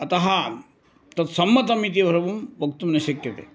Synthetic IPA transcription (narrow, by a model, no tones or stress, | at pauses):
ɐt̪ɐɦɐ | t̪ɐt̪sɐmːɐt̪ɐmit̪̬iʋʱɐɾɐʋumʋɐk̚t̪umnɐʃɐkjɐt̪ḛ